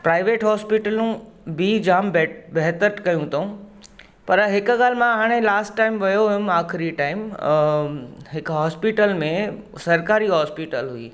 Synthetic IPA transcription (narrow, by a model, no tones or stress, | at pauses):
pɾaːɪʋeːʈɦɔːspiʈəlũbid͡ʑaːmbbɐɦt̪əɾʈkɐjũt̪ʰoũ | pɐɾɦɪkʊɡaːl̤ɪmãɦaːɽ̃elaːsʈːaːɪmʋɐjoɦʊjʊmaːxɪɾiʈaːɪm | ɦɪkɦɔːspiʈəlmẽsɐɾkaːɾiɦɔːspiʈəlɦuḭː